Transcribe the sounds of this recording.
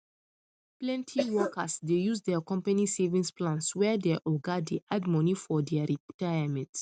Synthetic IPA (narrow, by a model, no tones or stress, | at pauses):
plɛ̃ntʰiwɔkasdejusdɛakɔ̃mpanisevĩnsplãnswɛdɛʔɔɡadiʔadmɔnifɔdɛaɹitajamɛ̃nt